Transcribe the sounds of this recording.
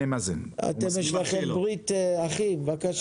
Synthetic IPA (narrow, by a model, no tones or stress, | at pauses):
emazina̰t̪emjeʃlaχembʁitaχimvakaʃ